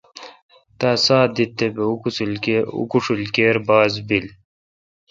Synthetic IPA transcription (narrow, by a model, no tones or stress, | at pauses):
t̪asaːd̪it̪ːebeukuslṵkuʂulkeːɾbaːzbil